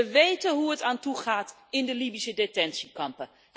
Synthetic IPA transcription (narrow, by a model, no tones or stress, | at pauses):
əʋejtənɦuətaːntuχaːt | ɪndəlibisədetɛnsikɑmpə | ɦ